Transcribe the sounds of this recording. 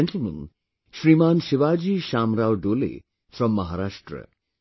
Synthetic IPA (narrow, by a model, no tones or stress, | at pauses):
eɳʈəlmə̃n | ʃɾimaːnʃɪʋad͡ʒiʃaːmɾawɖolḭ | fɾɔmːɐɦaɾaʃʈɾə̰